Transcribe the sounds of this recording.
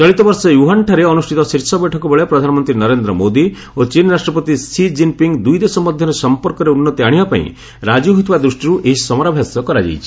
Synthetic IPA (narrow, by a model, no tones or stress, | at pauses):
t͡ʃɔɭit̪ɔbɔɾsɔjuɦanʈʰaɾeɔnusʈʰit̪ɔsiɾsɔbɛʈʰɔkɔbeɭepɾɔd̪ʱanɔmɔnt̪ɾinɔɾend̪ɾɔmod̪i | ot͡ʃinɾasʈɾɔpɔt̪isid͡ʒimpiŋɡd̪ujd̪esɔmɔd̪ʱjɔɾesɔmpɔɾkɔɾeunːɔt̪iaɽ̃ibapaḭ̃ | ɾad͡ʒuɦot̪ʰibad̪ɾusʈiɾuʔeɦissɔmɔɾabʱjasjɔkɔɾad͡ʒḛjt͡ʃʰi̥